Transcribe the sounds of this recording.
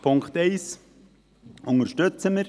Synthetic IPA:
pʰʊŋkχt̪ɛɪs | ʔʊŋəɾʃtøt͡səməɾ

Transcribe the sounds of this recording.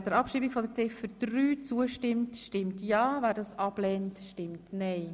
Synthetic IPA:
dəɾɑpʃiːbiɡfɔdəɾt͡sɪfəɾd̪̥ryːt͡suəʃtɪmtʃtɪmtjɑːvæːɾdɑːsɑblɛːntʃtɪmtnɛɪ

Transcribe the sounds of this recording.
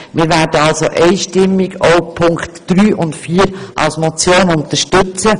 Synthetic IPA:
mɪːɾʋæːɾdəɑlsoʔɛɪʃtɪmːɪɡoʊpʰʊŋktd̥ɾyːʔʊntfiːɾʔɑ̰lsmot͡sjoːnʊnt̪əʃtɵt͡sə

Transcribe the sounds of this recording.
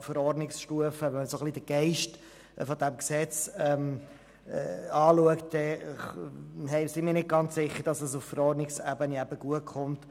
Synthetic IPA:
fəɾɔrdnɪksʃtuəfəʋɛnməsoχlidəɡ̥ɛɪʃt | fɔd̥̪æmksɛt͡sɛm̰ː | ɑːluəkt̚d̥ɛ | hɛsɪmiːɾnɪt̚ɡ̥ɑnt͡ssɪχːəɾd̥ɑsəsuffəɾɔrɾdnɪksæbəniæbəɡ̥uətχʊnt

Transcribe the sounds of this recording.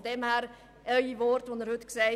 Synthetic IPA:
dɛmhæːɾ | ʔœʏivɔɾtʋonəɾhɵtkseɪ

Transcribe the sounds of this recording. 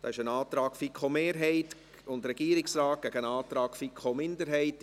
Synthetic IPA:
d̥ɑ̰ːɪʃənɑːt̪ɾɑːkfikʰomeːɾɦɛɪt | ʊndɾɛɡ̥iːɾɪksɾɑːt̚ɡ̥æɡənɑːtɾɑːkfikʰomɪndəɾɦɛɪt

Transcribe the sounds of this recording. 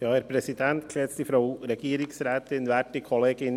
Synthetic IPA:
jɑːæɾpʰɾɛsid̪ɛnt̪kʰlɛːt̪st̪ifɾɑʊɾɛɡ̥iːɾɪŋsɾæːt̪ɪnʋæːʈɪkʰɔleːɡɪn

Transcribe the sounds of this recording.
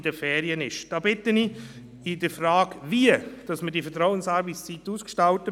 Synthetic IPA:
dəfɛːɾiənɪʃd̥ɑːbɪtəni | ɪdəfɾaːɡviəd̥ɑsmədifətɾɔʊənsaːɾvist͡sitːuːskʃtɑʊtə

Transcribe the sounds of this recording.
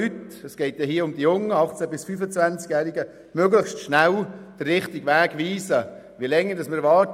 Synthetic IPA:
ytɛsɡ̥ɛɪt̚d̥ɛɦiəʊmd̥̪ijʊŋːəɑχt͡sɛbɪsfyfət͡svænt͡skjæːɾɪɡə | møɡləχʃtʃnæld̥ərːɪχtɪɡʋæːɡʋiːsə | ʋiəlɛŋːəɾdɑsməɾvɑːt

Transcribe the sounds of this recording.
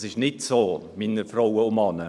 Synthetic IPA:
sɪʃnɪtsoːmɪnəɾfrowəʊmɑnə

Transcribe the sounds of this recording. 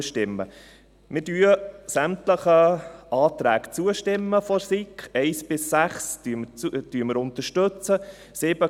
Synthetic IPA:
ʃtɪmːə̰ | mɪdyːəsæmtləχəɑːt̪ɾæːkt͡suəʃtɪmːəfɔɾsikχɛɪsb̥ɪsːæχsymud̥yəməɾʊnt̪əɾʃtɵt͡sə | sɪb̥ə

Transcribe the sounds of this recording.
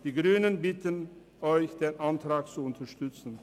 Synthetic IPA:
d̥iːɡʁyːnənbɪtən | ʔɔʏçd̥eːnʔantʁ̥aːkt͡suʊntɐʃtʏt͡sn̩

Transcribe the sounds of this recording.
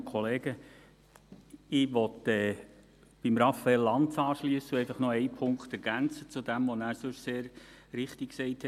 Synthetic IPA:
kʰχɔleːɡ̥ə | ɪʋɔtɛː | b̥imɾɑfɛlːɑntt͡sɑːʃliəsəɛɪfɑχnɔɛɪpʰʊŋkχt̪ɛɾɡ̥ænt͡sət͡sudæmʋɔnæːɾsʉʃseːɾɾɪχtɪkksɛɪthɛ

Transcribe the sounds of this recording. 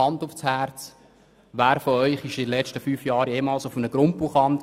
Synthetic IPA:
ɑndufshæɾt͡s | ʋæːɾfɔœʏχɪʃdidlɛt͡ʃtəfyːfjɑːɾjeːmɑːlsʊfənəɡ̥ɾʊmpuχɑnd

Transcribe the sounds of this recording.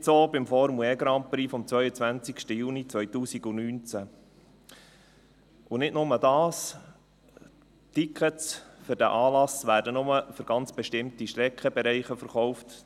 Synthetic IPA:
soːbɪmfɔɾmuɛɡɾɑmpɾiːfɔmt͡sʋœʏət͡sʋænt͡sikʃtəjuːnit͡sʋœʏjtuːsiɡʊnyːnt͡sæ | ʊnɪtnʊmədɑːs | tikʰətsfʏɾdæʔɑːlɑsʋæːɾdənʊməfʏɾɡ̥ɑnt͡sb̥ɛʃtɪmtiʃtɾɛkχəbɛɾɛɪχəfəɾχɔʊft

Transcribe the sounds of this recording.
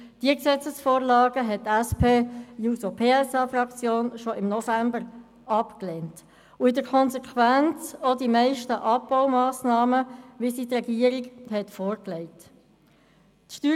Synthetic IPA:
d̥iəksɛt͡səsfoːɾlɑːɡəɦɛt̚tːɛspʰeːjusopʰeːɛsɑːfrɑkt͡sjoːnʃoʔɪmnɔfæmbəɾ | ɑpkleːnt | ʊɪdəɾkʰɔnzɛkʰwænt͡sodimæɪʃtəʔɑpːaʊmɑːsnɑːməʋisitrɛɡiəɾɪɡhɛtfoːɾkleɪt | tʃtyː

